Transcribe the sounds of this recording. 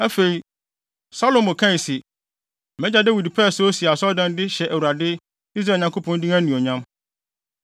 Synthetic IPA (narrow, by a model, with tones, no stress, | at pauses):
æ˦fe˨i˨ | sa˦lo˨mo˨kʰã˦˨si˨ | mɛ̃˦d͡ʑa˦dæ˦wi˨dpʰɛ˦˨so˦si˨a˨sɔ˦dã˦n˦dɪ˦ɕɛ˨ʔæ˨wu˨ɾa˨dɪ˦ | i˦s̬ɾa˦˨ɲã˨kʰo˦pʰɔ̃˦n˦dĩ˦æ̃˦nũ˨ɔ˨ɲã˦m